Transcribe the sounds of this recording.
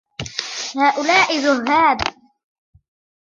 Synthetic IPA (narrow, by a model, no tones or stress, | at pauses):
haːʔʊlaːʔɪðʊɦːaːb